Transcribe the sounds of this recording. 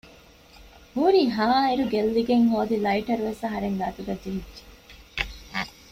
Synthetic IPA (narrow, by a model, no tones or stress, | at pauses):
huːɾiːɦaːeɾuɡelːiɡeŋɦoːd̪ilɐiʈɐɾuʋesɐɦɐɾeŋɡaːt̪uɡɐd͡ʒeɦidːʒe̥